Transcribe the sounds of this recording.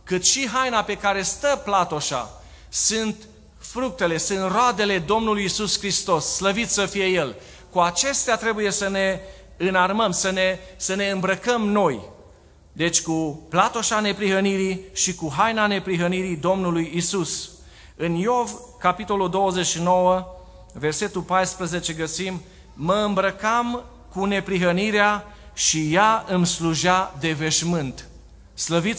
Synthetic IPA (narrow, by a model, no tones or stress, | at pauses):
kɨt̪ʃiɦajnape̞kaɾe̞st̪əplat̪oʃa̰ | sɨnt̪ | fɾuk̚t̪e̞le̞sɨnt̪road̪e̞le̞d̪o̞mnulujːisuskɾist̪o̞sːləvit̪sʲsəfije̞je̞l | kuat͡ʃe̞st̪eat̪ɾe̞buje̞səne̞ | ɨnarməmsəne̞səne̞ɨmbɾəkəmno̞j | d̪e̞t͡ʃʲkuplat̪o̞ʃane̞pɾiɦəniɾiʃikuɦajnane̞pɾiɦəniɾid̪o̞mnulujisus | ɨnjovkapit̪o̞luld̪o̞wəzeʃino̞wə | ve̞rse̞t̪ulpajspɾəze̞t͡ʃe̞ɡəsimː | əɨmbɾəkam | kune̞pɾiɦəniɾea | ʃijaɨmsluʒad̪e̞ve̞ʃmɨnt̪ | sləvit̪